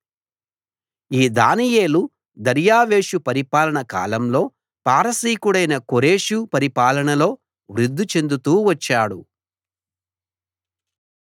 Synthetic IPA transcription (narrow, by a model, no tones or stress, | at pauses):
iːd̪a̰ːnije̞ːlu | d̪ɐɾjaːʋe̞ːʂupɐɾipaːlɐɳɐka̰ːlɐmlo̞ː | paːɾɐsiːkuɽɐjnɐkoɾe̞ːʂupɐɾipaːlɐɳɐlo̞ː | ʋɾud̪ʱːut͡ʃe̞nd̪ut̪uːʋɐt͡ʃːaːɽu